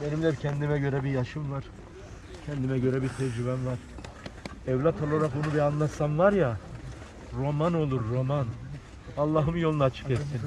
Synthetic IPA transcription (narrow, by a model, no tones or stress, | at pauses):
benimd̪ɛpcʰɛnd̪imɛɟø̞ɾɛbijaʃɯmvaɾ̥ | cʰɛnd̪imɛɟø̞ɾɛbit̪ʰɛd͡ʒyβænvaɾ̥ | ɛvlʲat̪ʰolˠoɾafonubianlˠat̪sanvaɾja | ɾo̞mano̞lˠuɾːo̞man | alˠːaːɦɯmjo̞lˠunaːt͡ʃʰɯ̥kɛt̪sʰin